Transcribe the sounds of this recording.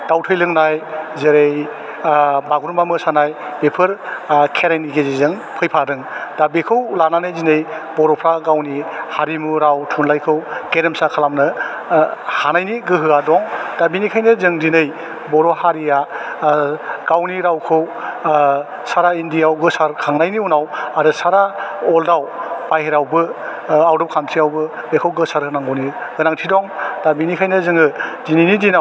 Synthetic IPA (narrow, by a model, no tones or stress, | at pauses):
d̥awtʰɯjlɯŋnajzeɾej | baɡuɾmamɯsanajbepʰɯɾkʰeɾajniɡezizɯŋ | pʰɯjpʰadɯŋd̥abikʰɯwlananɯjzinɯjbɔɾɔpʰɾaɡawnihaɾimuɾawtʰunlajkʰɯwkeɾemsakʰalamnɯ | hanajniɡɯɦɯadɔŋd̥abinikʰajnɯzɯŋzinɯj | bɔɾɔhaɾija | ɡ̥awniɾawkʰɯw | saɾaindijawɡɯsaɾkʰaŋnajniunawaɾɯsaɾaɔldawpajheɾawbɯawdɔp̚kʰantʰijawbɯ | bekʰɯwɡɯsaɾɯnaŋowniɡɯnaŋtʰidɔŋd̥abinikʰajnɯzɯŋɯzinɯjnidina